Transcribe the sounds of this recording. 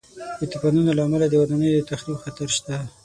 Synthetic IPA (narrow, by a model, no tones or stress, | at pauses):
d̪ət̪apanunolaːmalad̪əwad̪anəjod̪ət̪axlibxat̪aɾʃt̪a